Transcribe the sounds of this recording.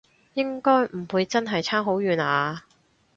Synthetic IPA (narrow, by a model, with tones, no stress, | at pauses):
jɪ˥ŋkɔː˥jm̩˨˩wuː˨˧jt͡sɐ˥nɦɐ˨jt͡sʰaː˥mɦo˨˥wjyː˨˧naː˨˧